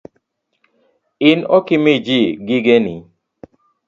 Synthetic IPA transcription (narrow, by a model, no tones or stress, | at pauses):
ɪnɔkɪmid͡ʒiɡɪɡeni